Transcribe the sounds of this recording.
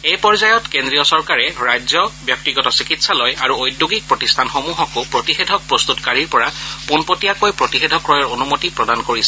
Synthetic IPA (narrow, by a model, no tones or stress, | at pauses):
ejpɔɹzajɔtkendɹijɔsɔɹkaɹɛɹajzjɔbjɔk̚tiɡɔtɔsikitsalojaɹuojduɡik̚pɹotistʰanxomuɦɔkopɹotixedʱɔk̚pɹost̪utkaɹiɹpɔɹapunpotijakojpɹotixedʱɔkɹɔjɔɹonumotipɹɔdankoɹisɛ̥